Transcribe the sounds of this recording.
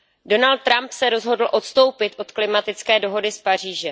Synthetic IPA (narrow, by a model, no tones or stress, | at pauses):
do̞nalt̪̚tːɾampsɛɾo̞zɦo̞dl̩ʔo̞t̪st̪o̞wpɪt̪ʔo̞t̪klɪmat̪ɪt͡skɛːdo̞ɦo̞dɪspar̝iːʒɛ